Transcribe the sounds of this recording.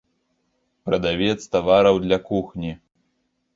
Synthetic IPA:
pɾɐd̪avʲɛt̪st̪avaɾɐwd̪lʲɐkuxnʲi

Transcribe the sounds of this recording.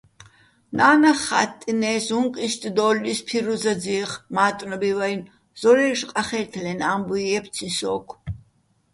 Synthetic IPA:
naːnaχa̰t̪ʼːinɛːsuŋqʼist̪ʼd̪ɔːlːispʰiɾuzad͡ziːχmaːt̪ʼnɔbivajn | z̥ɔɾɛʃqʼaχɛt̪ʰlɛnambujɛp̪ʰt͡sʰĩsɔːkʰ

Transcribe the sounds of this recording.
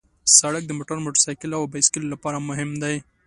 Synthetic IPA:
saɽək̚d̪əmoʈəɾmoʈəsɑjkɪlawbajskɪlːapɑɾamʊɦɪmd̪aj

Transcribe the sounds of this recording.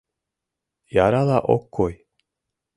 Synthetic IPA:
jaɾalaʔo̰kːoj

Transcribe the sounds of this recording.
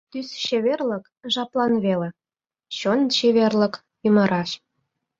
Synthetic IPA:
t̪ysɕeβerlə̆k | ʒɑplɑnβelĕ | ɕont͡ɕeβerlə̆k | yməɾʔɑʃ

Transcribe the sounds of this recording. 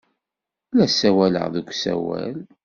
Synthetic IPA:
læsæwælə̰ʁðəkʷːsæ̰wæ̰l

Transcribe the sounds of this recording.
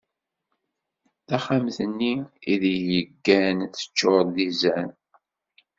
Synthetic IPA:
θæχamθənːiiðjjəɡːænθə̥t͡ʃːoɾˤðizæn

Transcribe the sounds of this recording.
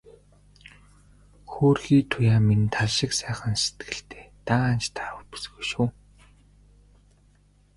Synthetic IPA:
xoːrxiːt̪ʰʊjaːmint̪ʰaɮʃɪ̆ksæːχə̆nse̥t̪ɡɘ̆ɬt̪e̥ːt̪aːnt͡ɕt̪ʰḁɾʊ̆wpu̥sɣujʃuː

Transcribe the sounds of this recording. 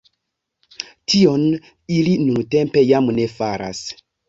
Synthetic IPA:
tʰio̞n | ilinunte̞mpe̞jamne̞faɾa̰s

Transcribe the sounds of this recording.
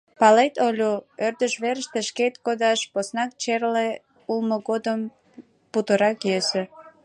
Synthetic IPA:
pɑlet̪olʲuørd̪əʃβeɾəʃt̪əʃket̪̚kod̪ɑʃposnɑk̚t͡ɕerle | ulməɣod̪əm | put̪əɾɑkjøsĕ

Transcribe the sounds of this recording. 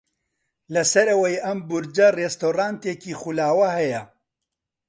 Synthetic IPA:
lɐsɐɾɐwɐjʔɐmbʊɾd͡ʒɐrest̪oːraːnt̪eːkiːχulaːwɐhɐjɐ

